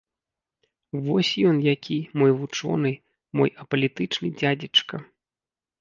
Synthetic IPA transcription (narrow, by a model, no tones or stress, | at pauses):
vɔsʲjɔnjakʲʰimɔjvut͡ʂɔ̰nɨ | mɔ̰jɐpɐlʲit̪ɨt͡ʂnɨd͡zʲad͡zʲit͡ʂkɐ